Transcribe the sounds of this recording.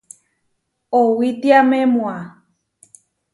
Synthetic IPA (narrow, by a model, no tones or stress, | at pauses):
owit̪iamẽmw̃a